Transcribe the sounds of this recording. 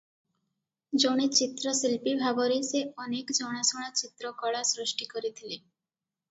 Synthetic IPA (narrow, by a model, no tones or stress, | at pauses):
d͡ʒoɽ̃et͡ɕit̪ɾɔsilpibʱabɔɾiseɔnekd͡ʒɔɽ̃asoɭ̃at͡ɕit̪ɾɔkɔɭasɾuʃʈikɔɾit̪ʰile